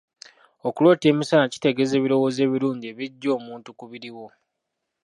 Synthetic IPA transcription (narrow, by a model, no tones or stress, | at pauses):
okulwoːte̞ːmisanaci̥te̞ɡe̞ze̞ːβiɾo̞wo̞ːze̞ːβiɾuːɲɟie̞βiɟːo̞ːmuːntukuβiɾiwo̞